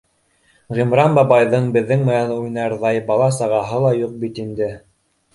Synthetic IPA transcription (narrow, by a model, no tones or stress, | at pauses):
ʁimɾɑnbɑbɑjðɤɴbɘ̆ðːɘŋmɘnænujnɑɾðɑjbɑlˠɑsɑʁɑɦɤlˠɑjuq̚bit̪ind̪ɘ